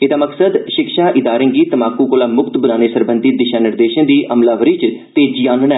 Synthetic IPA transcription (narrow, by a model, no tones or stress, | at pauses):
ɪd̪aːməksəd̪ʃɪkʃãːʔɪd̪aːɾẽːɡiːt̪əmaːkuːkoːlaːmʊkt̪bənaːneːsəɾbənd̪iːd̪ɪʃaːnɪɾd̪eːʃə̃d̪iːʔʔəmlaːʋəɾiːt͡ʃt̪eːd͡ʒiːaːnənɛː